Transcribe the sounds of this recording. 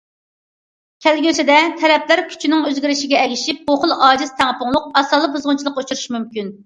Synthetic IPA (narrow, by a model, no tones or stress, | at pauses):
kʲʰælɡʲysɪd̪ɛt̪ʰɛɾɛpʰlæɾkʲʰy̥t͡ʃʰinɪŋøzɡʲiɾɪʃɪɡʲɛɛɡʲiʃip̚boχʊlˠɑːd͡ʒiz̥t̪ʰæŋəpʰʊŋlˠʊq̚ɑsɑlˠɨbuzʁʊnt͡ʃʰlˠəqːut͡ʃʰuɾuʃmymkʲyn